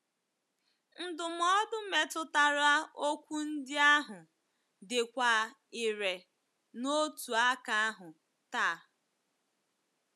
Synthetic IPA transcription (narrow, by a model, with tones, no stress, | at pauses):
n̩˦dʊ˨m̩˨ɔ˦dʊ˦me˨tʊ˨ta˨ɾa˦o˦kʷu˦n̩˦dɪ˦a˦ɦʊ˨ | dɪ˨kʷa˨ | ɪ˨ɾe˨ | no˦tu˨a˦ka˨a˦ɦʊ˨ | taː˦˨